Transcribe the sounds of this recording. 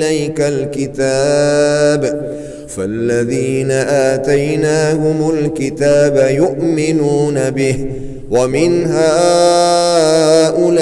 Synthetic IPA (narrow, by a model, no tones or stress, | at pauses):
lajkalkɪt̪aːb | falːaðiːnaʔaːt̪ajnaːhʊmʊlkɪt̪aːbajʊʔmɪnuːnabɪh | wamɪnɦaː | ʔʊl